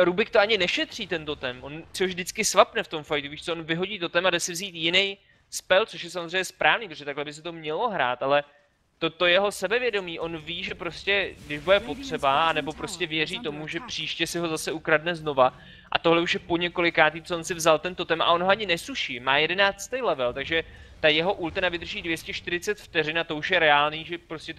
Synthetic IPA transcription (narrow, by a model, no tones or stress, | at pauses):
ɾubɪkt̪oaɲɪnɛʃɛt̪r̝̥iːt̪ɛnt̪o̞t̪ɛmʔo̞nt͡soʒvdɪt͡skɪsvapnɛft̪o̞mfajt̪uviːʃt͡soonvɪɦo̞ɟiːt̪ot̪ɛmadɛsɪvziːt̪jɪnɛj | spɛlt͡so̞ʃjɛsamozrejɲːɛspɾʔaːvniːpɾoʒɛt̪aklɛbɪs̬ɛt̪o̞mɲɛlo̞ɦɾa̰ːt̪alɛ | t̪ot̪o̞jɛɦo̞sɛbɛvjɛdo̞miːʔo̞nviːʒɛpɾo̞scɛɡdɪʒbudɛpo̞t̪r̝̥ɛbaanɛbo̞pɾo̞scɛvjɛriːt̪o̞muʒɛpr̥iːʃcɛsɪɦo̞zasɛukɾadnɛzno̞va | ʔa̰t̪o̞ɦlɛuʃjɛpo̞ɲɛko̞lɪkaːt̪it̪t͡soonsɪvzalt̪ɛnt̪o̞t̪ɛmʔa̰ʔo̞nɦoaɲɪnɛsuʃimaːjɛdɛnaːt͡st̪ejlɛvɛlt̪aɡʒɛ | t̪ajɛɦo̞ʔult̪anavɪd̪rʒiːdvjɛscɛʃt̪ɪɾɪt͡sɛt̪ft̪ɛrɪnat̪o̞uʃjɛɾɛaːlniːʒɛpɾoscɛt̪